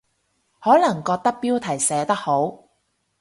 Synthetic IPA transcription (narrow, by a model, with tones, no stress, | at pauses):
hɔː˨˥lɐ˨˩ŋkɔː˧k̚t̪ɐ˥k̚piː˥wt̪ʰɐ˨˩jsɛː˨˧t̪ɐ˥k̚ho˨˥w